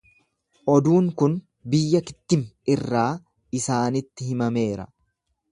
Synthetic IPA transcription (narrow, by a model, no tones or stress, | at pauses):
ʔɔd̪uːŋkʊn | bɪjːɐkɪ̥t̪ːɪmɪrːaː | ɪsaːnɪt̪ːɪhɪmɐme̞ːɾɐ̰